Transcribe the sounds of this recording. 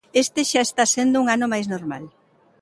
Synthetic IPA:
est̪eʃaest̪asend̪ʊuŋanomajznoɾma̰l

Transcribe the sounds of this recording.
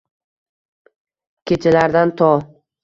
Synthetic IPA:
kʲʰet͡ʃʰɪlaɾd̪ant̪ʰɒ

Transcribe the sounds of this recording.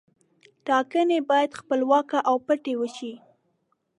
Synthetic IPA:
ʈɑkənebɑjad̪xpəlwɑkaʔawpəʈewəʃi

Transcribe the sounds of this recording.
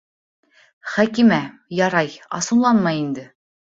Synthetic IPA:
χækimæ | jɑɾɑjɑ̰sɤ̆nlˠɑnmɑjind̪ɘ

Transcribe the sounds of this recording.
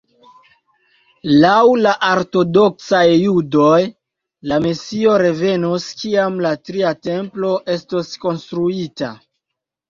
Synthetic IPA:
lawlaʔaɾto̞do̞ksajːudoj | lamesio̞ɾe̞ve̞noskiamlatɾiate̞mplo̞ʔe̞stosko̞nstɾuita̰

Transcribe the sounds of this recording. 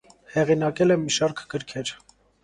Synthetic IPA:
hɛʁinɑkɛlɛmːiʃɑɾkʰɡəɾkʰɛɾ

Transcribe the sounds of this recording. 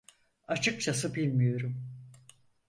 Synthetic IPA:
at͡ʃʰɯk̚t͡ʃʰas̬ɯbilʲmijo̞ɾum

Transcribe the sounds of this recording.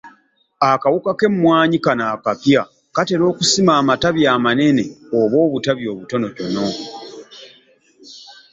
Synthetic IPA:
akawukake̞mwaːɲikanaːkapja | kate̞ɾo̞ːkusimaːmataβjaːmane̞ne̞oβo̞ːβutaβjo̞ːβuto̞no̞to̞no̞

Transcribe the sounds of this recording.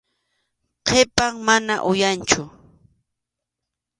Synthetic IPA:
qʰepaŋmanaʔʊjant͡ʃʊ

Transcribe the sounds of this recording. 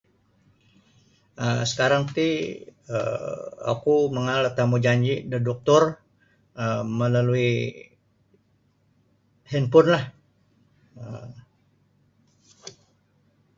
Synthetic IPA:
əsə̥kaɾaŋt̪iə̰a̰kuməŋalət̪amud͡ʒaɲd͡ʒidədɔk̚t̪ʊr | əməlalui | hinpʊnlah | ə

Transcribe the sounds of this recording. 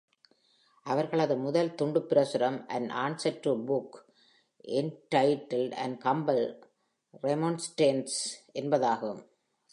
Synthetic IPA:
ʔɐʋɐɾɣɐɭɐðɯmʊðɐlt̪ʊɳɖɯpɪɾɐsɯɾɐmʔɐ̰nʔaːɳsɐʈɾɯbʊk | ʔɛnʈɐɪʈːɐlɖɐ̰nɖkɐmbɐl | ɾɛmonsʈeːnsʔɛnbɐðaːɣɯm

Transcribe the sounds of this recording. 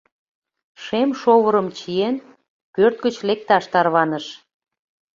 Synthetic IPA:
ʃemʃoβəɾəmt͡ɕien | pørt̪̚ɡət͡ɕlek̚t̪ɑʃt̪ɑrβɑnəʃ

